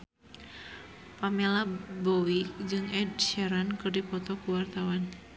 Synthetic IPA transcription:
pamelabɔwid͡ʒɨŋɛdʃɛɾankɨrdipɔt̪ɔkuwart̪awan

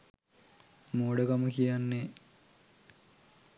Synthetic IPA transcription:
moːɽəkaməkijanːe

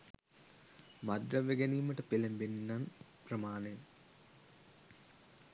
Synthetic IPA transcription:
mad̪ɾɐʋeɡeniːməʈəpelembenːan | prəmaːnej

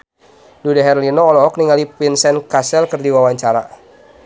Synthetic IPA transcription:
dudaɦɛrlinɔːlɔɦɔk̚niŋalipinsɛnkasɛlkərdiwawaɲt͡ʃaɾa

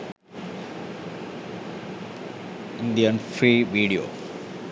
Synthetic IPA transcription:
ɪ̃nd̪ijənfɾiːʋiːɖio̰ː

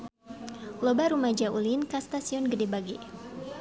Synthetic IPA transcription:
lobaɾumad͡ʒaulinkast̪asiɔnɡədebaɡe

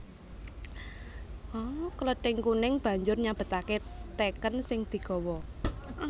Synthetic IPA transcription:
ʔɔkələɖ̥ɪŋkunɪŋb̥a̤ɲd͡ʒʊrɲab̥ə̤t̪aket̪ekənsɪŋd̪̥i̤ɡ̥ɔ̤wɔ

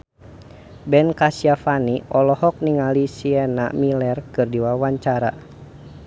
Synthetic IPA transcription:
bɛnkasiafaniɔlɔhɔk̚niŋalisiɛna̰milɛrkɨrdiwawaɲt͡ʃaɾa̰

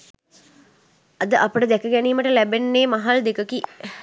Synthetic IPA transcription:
ɐd̪əʔapəʈəd̪ækəɡæniːməʈəlæbenːeːmaɦald̪ekəki

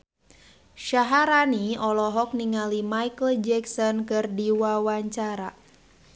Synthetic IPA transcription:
ʃaɦaɾaniɔlɔɦɔk̚niŋalimajkəld͡ʒɛksɔnkɨrdiwawaɲt͡ʃaɾa

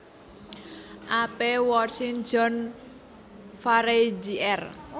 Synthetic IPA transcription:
ʔapewɔrsɪŋd͡ʒɔn | faɾed͡ʒiʔɛr

